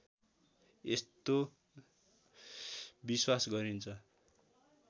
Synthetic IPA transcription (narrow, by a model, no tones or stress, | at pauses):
est̪o | biswasɡʌɾint͡sʰʌ